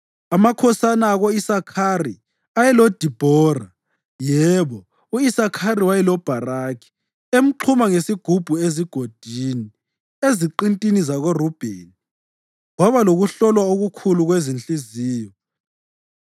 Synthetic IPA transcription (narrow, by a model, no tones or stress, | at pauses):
amakʰɔsanaːɣoisakʰari | ajɛlɔd̥ʱib̥ʱɔra | jɛβɔ | uisakʰaɾiwajɛlɔb̥ʱaraːkʰi̥ | em̩ǃʰumaŋesiɡ̥ʱub̥ʱueziɡ̥ʱod̥ʱini | eziǃintʼinizaɣorub̥ʱḛni | ɣwaβaloɣuɬɔlwaoɣukʰuluɣwezint͡ɬʼiziːjɔ